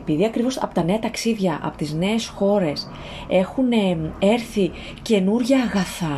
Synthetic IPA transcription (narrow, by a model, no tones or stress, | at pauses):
epiðiɐkɾivo̞sɐ̰po̞t̪ɐne̞ɐt̪ɐksiðʝɐʔɐ̰po̞̥t̪izne̞ːsxo̞ɾe̞s | e̞xunee̞ɾθi | ce̞nuɾʝɐːɣɐθɐ